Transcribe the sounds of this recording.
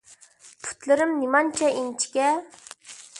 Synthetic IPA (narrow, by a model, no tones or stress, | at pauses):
pʰu̥t̪lɨɾɨmnimɑnt͡ʃʰɛint͡ʃʰi̥kʲɛ